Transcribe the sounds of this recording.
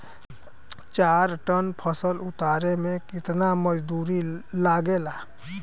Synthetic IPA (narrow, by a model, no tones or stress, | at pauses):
t͡ʃaːɾʈənpʰəsəlʊt̪aːɾemẽkɪt̪naməd͡ʒd̪uːɾilaːɡelaː